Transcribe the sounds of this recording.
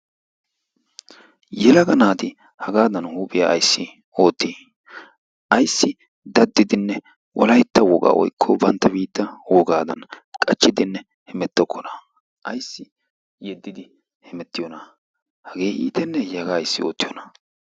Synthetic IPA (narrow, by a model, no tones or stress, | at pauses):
jɛlɐɡɐnaːt̪ɪ | hɐɡaːd̪ɐnhuːpʼɪjaɐjsːɪ | o̞ːt̪ːi | ʔɐjsːɪ | d̪ɐd̪ːɪd̪ɪnːɛ | wʔɔlɐjt̪ːɐwɔɡʼa̰ːwɔ̰jkʰːɔbɐnt̪ːɐbiːt̪ːɐwɔɡaːd̪ɐ̰nkʼɐt͡ʃːɪd̪ɪnːɛ | hɛmɛt̪ːɔkʰːɔnɐ | ʔɐjsːɪ | jɛd̪ːɪd̪ɪ | hɛmɛt̪ːɪjɔnɐ | hɐɡe̞ːʔḭːt̪ɛnːɛjhɐɡaːjsːɪo̞̰ːt̪ːɪjɔnɐ̥